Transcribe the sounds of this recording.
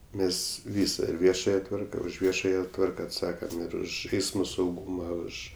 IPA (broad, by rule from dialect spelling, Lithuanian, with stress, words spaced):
ˈmʲɛs ˈʋʲiːsɐ ɪr ˈʋʲiɛʃɐjɛ ˈtʋɐrkɐ ʊʃ ˈʋʲiɛʃɐjɛ ˈtʋɐrkɐ ɐtˈsɑːkɐm ɪr ˈʊʃ ˈɛɪsmoː sɐʊˈɡuːmɐ ˈʊʃ